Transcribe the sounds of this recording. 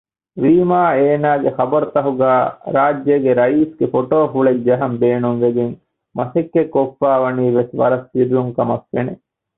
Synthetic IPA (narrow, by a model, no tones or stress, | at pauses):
ʋiːmaːeːnaːɡexɐbɐɾut̪ɐɦuɡæːɾaːd͡ʒːeɡeɾɐiːsɡefoʈoːɦuɭekd͡ʒɐɦɐmbeːnunʋed̪iŋ | mɐsekːekːofːaːʋɐniːʋesʋɐ̰ɾɐstiɾjuŋkɐmɐkːḛne